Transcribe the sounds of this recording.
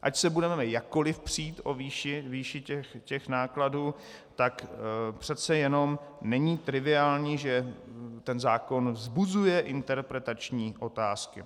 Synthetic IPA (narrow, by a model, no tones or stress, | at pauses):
ʔacsɛbudɛmɛmɛjakːo̞lɪfpr̥iːt̪ʔo̞viːʃɪviːʃɪcɛxcɛxnaːkladuː | t̪akpr̝̥ɛt̪t͡sɛjɛno̞mnɛɲiːt̪ɾɪvɪaːlɲiːʒɛt̪ɛnzaːko̞nvzbuzujɛʔɪnt̪ɛɾpɾɛt̪at͡ʃɲiːʔo̞t̪aːskɪ̰